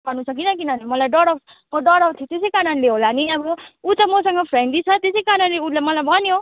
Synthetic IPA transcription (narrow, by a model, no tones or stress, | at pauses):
ʌnusʰʌk̬inʌk̬inʌnimʌlajɖʌɽʌk | mʌɖʌɽʌpt̪ʰjit̪esejkananleɦolaniʌbʌut̪ʌmʌsʌŋɡʌpʰɾenɖd̪it͡sʰʌt̪esejkananleulamʌlajbʱʌnjo